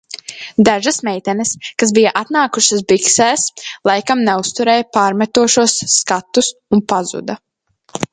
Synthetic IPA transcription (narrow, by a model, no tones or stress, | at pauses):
d̪aʒasmɛjt̪ɛnɪskasbijaʔat̪naːkuʃasbiksɛːslˠajkamnɛust̪uɾɛːjapaːɾmɛt̪uɔʃuɔsːkat̪ːusunpazṵd̪ɐ